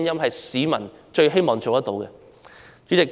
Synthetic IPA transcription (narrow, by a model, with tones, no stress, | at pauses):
njɐ˥mɦɐ˨jsiː˨˥mɐ˨˩n | t͡ʃɵ˧ɥɦe˥jmɔː˨ŋt͡so˨wt̪t̪o˨˥wkɛ̰˧ | t͡ʃy˨˥t͡sɪ˨k̚